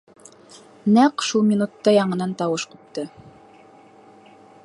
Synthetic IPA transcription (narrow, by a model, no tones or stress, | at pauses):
næqʃulˠmʲinut̪ːɑjɑɴɤ̆nɑnt̪ɑwɤʃqup̚t̪ɤ